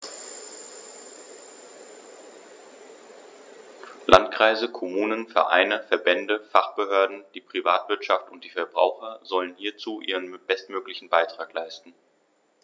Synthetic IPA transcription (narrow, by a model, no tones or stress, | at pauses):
lʔantkʁ̥aɪzəkʰɔmuːnənfɛ̰ɐʔa̰ɪnəfɛɐbɛndəfaχb̥əhøːɐdn̩d̥iːpʁ̥ivaːtv̥ɪɐtʃaftʊnt̚d̥iːfɛɐbʁa̰ʊxɐzɔlənhiːɐt͡suːʔiːʁənmb̥ɛstmøːklɪçn̩baɪtʁ̥aːklaɪstn̩